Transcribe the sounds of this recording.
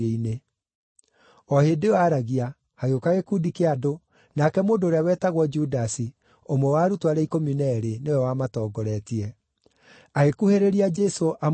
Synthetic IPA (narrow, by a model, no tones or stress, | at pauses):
eine | ɔhedewaːɾaɣia | haɣokaɣekudikeado | nakɛmoːdoːɾeawɛtaɣwɔd͡ʒudasi | omowaɾutwaɾɛikɔminɛɾenewɛwamatɔːɡɔɾɛtiɛ | aɣekuheɾeɾiad͡ʒɛsoʔa